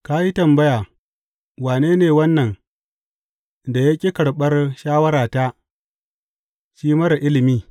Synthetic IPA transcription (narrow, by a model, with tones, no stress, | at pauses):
kaː˦ji˦tɐ˨mbɐ˦jaː˨ | waː˨neː˦neː˨wɐ˦nːɐ˨ŋ | da˨ja˦kʲʼi˦kɐ˨ɽɓɐ˦rʃaː˦wɐ˦ɾaː˨taː˦ | ʃiː˦mɐ˦ɾa˨ʔɪ˦lɪ˨miː˦